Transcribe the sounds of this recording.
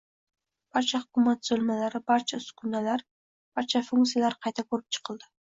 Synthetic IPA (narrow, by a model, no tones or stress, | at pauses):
b̥aɾt͡ʃʰahʊkʲʊmat̪z̥ɵlmalaɾɪbaɾt͡ʃʰasʊ̥kʰʊnalaɾ | b̥aɾt͡ʃʰafʊŋkt̪sijalaɾqʰɑjt̪ʰakʰɵɾɪp̚t͡ʃʰɨ̥qʰɨlˠd̪ɪ